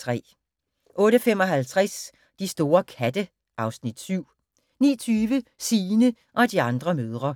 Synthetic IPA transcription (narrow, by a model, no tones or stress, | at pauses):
ʁɛ̰ː | ʔɔ̽ːɾəfemɒ̽ɦælt͡sʰʁas | d̥isd̥o̝ːɐkʰæd̥ə | ʔɑ̈ʊsnid̥syʊ̰ | nḭːɐt͡sʰyːʋəsiːnə | ʔɒ̽d̥iɑ̈nd̥ʁɐmøð̞ˠʁɐ